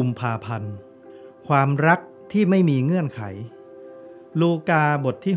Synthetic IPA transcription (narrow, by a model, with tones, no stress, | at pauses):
u˧mpʰaː˧pʰa˧n | kʰwaː˧mɾa˦˥k̚ | t̪ʰiː˥˩ma˥˩jmiː˧ŋɯ˥˩ənkʰa̰˩˦j | luː˧kaː˧bo˨˩t̪ʰːiː˥˩